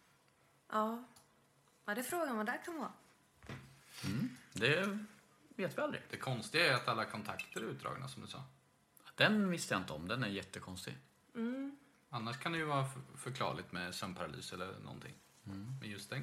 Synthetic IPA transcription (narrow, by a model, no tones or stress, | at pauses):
ʔɑː | ad̪ɛfɾoːɡanmad̪ækʰanʋvɑ̰ | mm̩d̪ɛ | veːt̪vɪald̪ɾɪ̰d̪̥ɛkʰɔnst̪ɪɡaæɾat̪alːakʰɔnt̪ʰakt̪əɾɪʉ̟ːt̪̚d̪ɾɑ̰ːɡna̰sɔmd̪ɵsɑ̰ː | d̪ɛnvɪst̪ːəjaɪnt̪əɔmd̪ɛnæɾjɛt̪ːəkʰɔnst̪ɪ̰ɡ̩ | anːaʂkʰand̪ɛjɵvɑːɾafœɾkʰlɑ̰ːɭɪt̪mɛsœmpʰaɾaly̰ːsɛlːə̰ɾnɔ̰nt̪ʰɪ̰ŋː | m̩mɛjɵst̪d̪ɛn